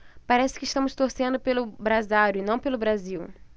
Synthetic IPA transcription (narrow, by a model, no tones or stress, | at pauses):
paɾɛsɪ̥kɪiʃt̪ɐ̃mʊst̪oɾsẽnd̪ʊpelʊbɾazaɾjʊɪnɐ̃w̃pelʊbɾaziw